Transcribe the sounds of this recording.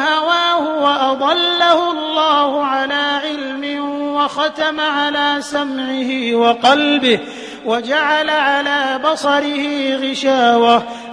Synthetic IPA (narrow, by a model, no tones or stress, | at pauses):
hawaːhʊwaʔɑd̪ˤɑlːahʊlˤːɑːhʊʕalaːʕɪlmɪwɑxɑt̪amaʕalaːsamʕɪhɪwɑqɑlbɪh | wad͡ʒaʕalaʕalaːbɑsˤɑɾɪhɪɣɪʃaːwa